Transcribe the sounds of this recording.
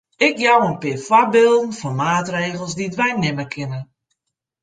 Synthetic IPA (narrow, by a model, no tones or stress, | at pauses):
ɪkjawənpɪəfwabɪlˠdn̩fɔnmaːtreːɣəl̩ˠsditʋɛjnɪməkʰɪnə